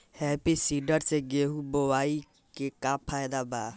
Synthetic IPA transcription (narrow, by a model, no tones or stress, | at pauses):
hɛːpisiɖəɾseɡeɦubowaːi | kekapʰaːjd̪aba